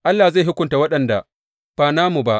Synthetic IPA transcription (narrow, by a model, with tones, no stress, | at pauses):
ʔa˦lːaː˨za˦˨ɦʊ˦kʷʊ˦nta˨wɐ˦ɗɐ˨nda˨ | ɸaː˨naː˦mu˨ba˦ʔ